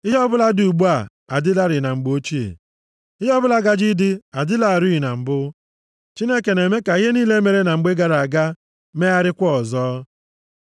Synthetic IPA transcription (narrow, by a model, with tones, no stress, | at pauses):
ɪ˦ɦɔ˦bʊ˦la˦du˨ɡ͡bu˦a˦˨ | a˨dɪ˦la˦ɾɪ˨na˨ŋ͡m̩˨ɡ͡bo˦t͡ʃi˦ḛ˨ | ɪ˦ɦɔ˦bʊ˦la˦ɡa˦d͡ʒɪ˦dɪ˦a˨dɪ˦la˨ɾu˦i˨na˨m̩˨bʊ˦ | t͡ʃi˦ne˦ke˨ne˨me˦ka˨i˦ɦe˦niː˦le˦me˨ɾe˦na˨ŋ͡m̩˨ɡ͡be˦ɡa˨ɾa˨ɡa˦ | me˦a˦ɾɪ˦kʷɔ˦ɔ˨zɔː˦